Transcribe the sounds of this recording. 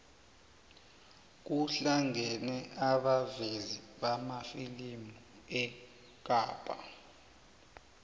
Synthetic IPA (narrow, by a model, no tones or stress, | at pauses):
k̬uɬaŋɛnɛaɓaveziɓamafilimu | ɛ | k̬aːpʼa̰